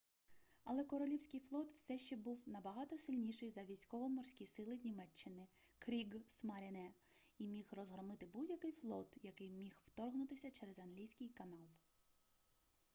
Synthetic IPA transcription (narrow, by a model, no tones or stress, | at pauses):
ɐlˠɛkɔɾɔlʲiwsʲkɪjflˠɔt̪wsɛʃt͡ʃɛbuwnɐbɐɦɑt̪ɔsɪlʲnʲiʃɪjzɐʋʲijsʲkɔʋɔmɔrsʲkʲisɪlˠɪnʲimɛt͡ʃːɪnɪ | kɾʲiɡsmɐɾʲenɛ | imʲixrɔzɦɾɔmɪt̪ɪbudʲjɐkɪjflˠɔt̪jɐkɪjmʲixw̥t̪ɔrɦnʊt̪ɪsʲɐt͡ʃɛɾɛzɐnɦlʲijsʲkɪjkɐnɑlˠ